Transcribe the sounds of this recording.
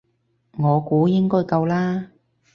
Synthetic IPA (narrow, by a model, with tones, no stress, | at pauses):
ŋɔː˨˧kuː˨˥jɪ˥ŋkɔː˥jkɐ˧wlaː˥